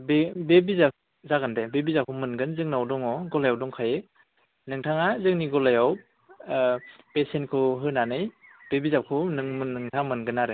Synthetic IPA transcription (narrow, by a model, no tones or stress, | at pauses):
bebebiza | zaɡɯndebebizakʰumɯnɡɯnzɯŋnawdɔŋɔɡɔlajawdɔŋkʰaje | nɯŋtʰaŋazɯŋniɡɔlajaw | pesentkʰɯɦɯnanɯjb̥ebizakʰɯnɯŋmɯnɯŋtʰaŋmɯnɡɯnaɾe